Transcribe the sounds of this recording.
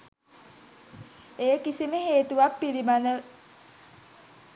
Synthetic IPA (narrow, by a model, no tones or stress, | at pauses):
ejəkisiməɦeːt̪uʋapːilimanə